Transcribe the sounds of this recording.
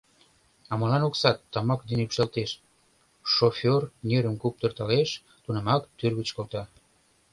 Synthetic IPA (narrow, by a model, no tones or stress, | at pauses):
ɑmɤlɑnoksɑt̪ːɑmɑkd̪enypʃelt̪eʃ | ʃofʲornʲeɾəmkup̚t̪ərt̪ɑleʃ | t̪unĕmɑkt̪yrɣət͡ɕkolt̪ɑ